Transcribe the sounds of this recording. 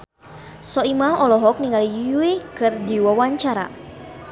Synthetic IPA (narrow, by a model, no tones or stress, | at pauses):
sɔimaɦɔlɔɦɔk̚niŋalijuikɨrdiwawaɲt͡ʃaɾa̰